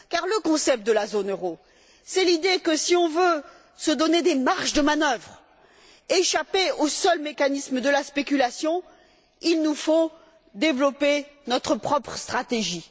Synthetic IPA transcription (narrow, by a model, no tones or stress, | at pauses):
kaʁləkɔ̃sɛp̚t̪d̪əlazonøʁo | sɛlid̪ekəsiɔ̃vø | səd̪ɔned̪emaʁʃd̪əmanœvʁ | eʃapeosœlmekanismd̪əlaspekʲylasjɔ̃ | ilnufo | d̪evlɔpenɔt̪χəpχɔpχəst̪χat̪eʒi